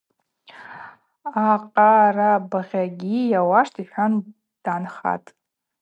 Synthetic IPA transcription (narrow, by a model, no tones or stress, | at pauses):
aqʼarabaʁʲaɡʲijawaʂtʰiħʷᶣan | d̥anχa̰tʼ